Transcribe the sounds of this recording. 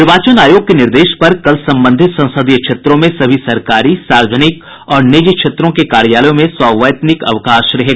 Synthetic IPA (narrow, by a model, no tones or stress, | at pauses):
ɪɾʋaːt͡ʃənaːjoːɡ̚kenɪɾd̪eːʃpɐɾkɐlsɐ̃mbə̃nd̪ʱɪt̪sɐ̃nsəd̪ijəkʃʰeːt̪ɾõmẽsɐbʱisɐɾkaːɾisaːɾd͡ʒənɪk | ɔːɾnɪd͡ʒkʃʰeːt̪ɾõkekaːɾjaːləjõmẽsɔːʋəjt̪nɪkɐ̰ʋkaːʃɾɐɦeːɡ